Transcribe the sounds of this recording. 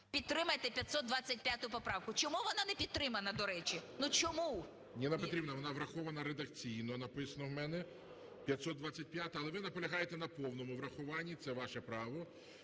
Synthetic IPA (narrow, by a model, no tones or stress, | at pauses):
pʲid̪̚t̪ɾɪmɐjt̪ɛpʲjɐt̪sɔd̪̚d̪ʋɑt͡sʲːɐtʲpʲjat̪ʊʊpɔpɾɑwkʊt͡ʃɔmuʋɔnɑnɛpʲid̪̚t̪ɾɪmɐnɐd̪ɔɾɛt͡ʃʲinut͡ʃɔmu | nʲinɐpɔt̪ɾʲibnɐʋɔnɑʋɾɐxɔʋɐnɐɾed̪ɐk̚t͡sʲijnɔnɐpɪsɐnɔwmɛnɛ | pʲjɐt̪ʲsɔd̪d̪ʋɑt͡sʲːɐt̚ʲpʲjat̪ɐlˠɛʋɪnɐpɔlʲɐɦɑjet̪ɛnɐpɔwnɔmʊʋɾɐxʊʋɑnʲːit̪sɛʋɑʃɛpɾɑʋɔ